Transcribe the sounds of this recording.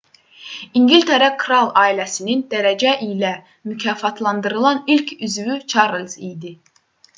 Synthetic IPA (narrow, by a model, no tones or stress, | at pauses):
iŋɡilʲt̪ʰeɾækʰɾɑlˠɑːilæsinind̪̥æɾæd͡ʒæʔilæ | mycʰɑːfɑt̪ʰlˠɑnd̪ɯɾɯlˠɑnilcʰyzvyt͡ʃʰɑɾlʲˠz̥ijd̪i